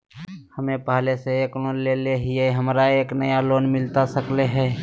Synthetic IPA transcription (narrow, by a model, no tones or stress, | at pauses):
həmẽpaːleseeːknoːnleːleɦɪeɦəmɾaeːknəjaloːnmɪlt̪asəkleɦɛː